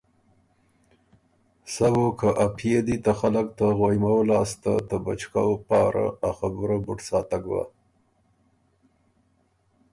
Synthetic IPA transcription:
sawokəʔapʰjed̪it̪axaləkt̪aɣojmawlɑst̪a̰t̪əba̰t͡ʃkawpɑɾa̰axabuɾabʊʈsɑt̪aɡba̰

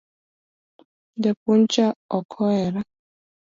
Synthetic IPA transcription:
d̪ɛpunt͡ʃaɔkʰɔɛɾa

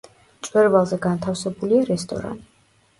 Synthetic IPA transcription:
t͡ʃ̪ʼwɛɾvalˠzɛɡant̪ʰafsɛbuliaɾɛst̪ʼɔ̰ɾa̰nt̪ʼi

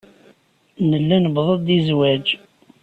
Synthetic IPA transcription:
nəlːænəbðˤəðd̪izwæd͡ʒ

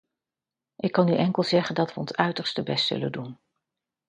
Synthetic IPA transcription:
ʔɪkːɑnːyʔɛŋkəlˠzɛχəndɑtʋəɔ̰nsœɥtəɹstəbɛstsɵ̰lə̰ndun

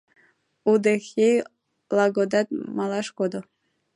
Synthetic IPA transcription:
ud̪exej | lˠɑɡod̪ɑt̪̚mɑlɑʃkod̪o

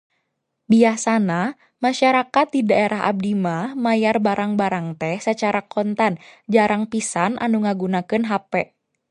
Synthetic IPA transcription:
biasana | maʃaɾakat̪̚didaeɾaɦa̰b̚dimahmajarbaɾaŋbaɾaŋt̪ɛhsət͡ʃaɾakɔnt̪and͡ʒaɾaŋpisanʔa̰nuŋaɡunakɨnɦapɛʔ

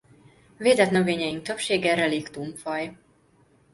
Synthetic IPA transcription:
veːd̪ɛt̪nø̞veːɲɛjiŋk̚t̪ø̞pʃeːɡɛɾɛlikt̪uɱfɒj

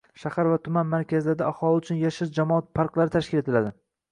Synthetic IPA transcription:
ʃahaɾvat̪ʰʊmanmaɾkʲʰazɪlaɾɪd̪aahɒlˠɪʊt͡ʃʰʊnjaʃɪɾd͡ʒamɒat̪̚pʰaɾqlˠaɾɪt̪ʰaʃkʲɪle̞t̪ʰɪlad̪ɪ

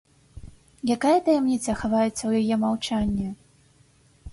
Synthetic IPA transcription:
jakajɐt̪ɐjamnʲit̪sɐxavajɛt̪sːɐwjajɛmawt͡ʂanʲːɛ

